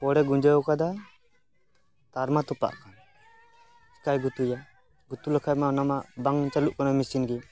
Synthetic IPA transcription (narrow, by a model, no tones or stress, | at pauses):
pɔɽɛɡuɲd͡ʒajɔkad̪a | t̪aɾmat̪ɔpa̰ʔkʰan | skajɡut̪uja | ɡut̪uləkʰajmanamaʔbaŋt͡ʃaluʔkɔnamisinɡi